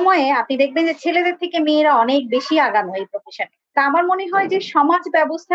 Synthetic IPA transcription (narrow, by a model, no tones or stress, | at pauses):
mɔeapnid̪ek̚ʰbend͡ʑet͡ɕʰeled̪eɾt̪ʰekemeeɾaɔnek̚beʃiaɡanoejpɾofiʃan | t̪aamaɾmoneɦɔed͡ʑeʃɔmad͡ʑbɛbost̪ʰa